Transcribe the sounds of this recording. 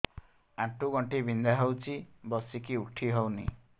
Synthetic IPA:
ãʈʰuɡɔɳʈibind̪aɦəwt͡ʃʰibɔsikiuʈʰːiɦownḭ

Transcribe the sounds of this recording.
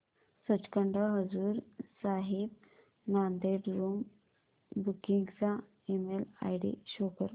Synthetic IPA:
sət͡ɕkəɳɖəɦəd͡zuːɾsaɦib̚ | nand̪eɖɾum | bukiŋɡt͡sa | emela̰jɽḭɕokəɾ

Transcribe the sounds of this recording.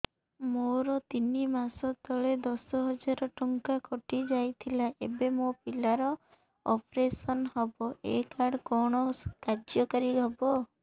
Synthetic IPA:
moɾɔt̪inimasɔt̪ɔɭed̪ɔsɔɦɔd͡ʒaɾɔʈɔŋkakɔʈid͡ʒajt̪ʰilaʔebemopilaɾɔ | ɔ̰pɾesɔnɦɔbɔʔḛkaɽkɔɽ̃ɔkad͡ʒjɔkaɾiɦɔbɔ

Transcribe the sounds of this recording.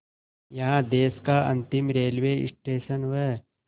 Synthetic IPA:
jɐɦãd̪eːskaɐ̰̃nt̪ɪmɾeːlʋeːɪ̰sʈeːʃənʋə

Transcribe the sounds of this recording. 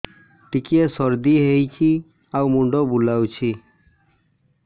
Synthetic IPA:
ʈikiesɔɾd̪iɦejt͡ʃʰi | awmuɳɖɔbulawt͡ʃʰi

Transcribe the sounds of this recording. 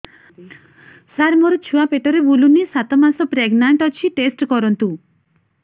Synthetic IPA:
saɾmɔɾɔt͡ʃʰuapeʈɔɾebulunisat̪ɔmasɔpɾeɡnaɳʈɔt͡ʃʰiʈesʈkɔɾɔnt̪u

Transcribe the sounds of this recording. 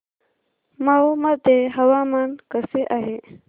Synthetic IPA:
maumad̪eɦɐwamankəseʔaɦe

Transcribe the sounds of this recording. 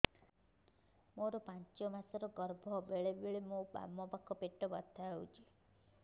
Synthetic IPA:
moɾɔpant͡ʃɔmasɔɾɔɡɔɾbʱɔbeɭebiɭemoba̰mːɔpakʰɔpeʈɔbɔt̪ʰaewt͡ʃʰi

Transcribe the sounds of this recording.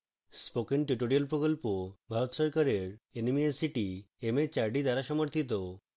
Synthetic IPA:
spokenʈuʈoɾiolpɾokolpobʱaɾot̪ʃɔɾkaɾeɾenemiesiʈi | emet͡ɕaɾɖid̪aɾaʃɔmoɾt̪ʰit̪̬o

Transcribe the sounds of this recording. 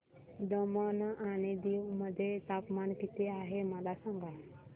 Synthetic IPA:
d̪əmənaɽ̃id̪iwməd̪ʱːjet̪apmankit̪eaɦeməlasaŋɡa

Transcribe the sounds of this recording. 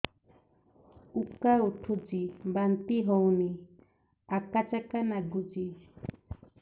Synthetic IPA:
ukaɾuʈʰud͡ʒibant̪iɦowni | akat͡ʃakanaɡud͡ʒi

